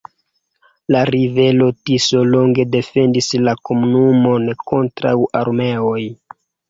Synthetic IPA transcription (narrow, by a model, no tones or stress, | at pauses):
laɾive̞lo̞tiso̞lo̞ŋɡe̞de̞fe̞ndislako̞munumo̞nko̞ntɾa̰wʔaɾme̞o̞j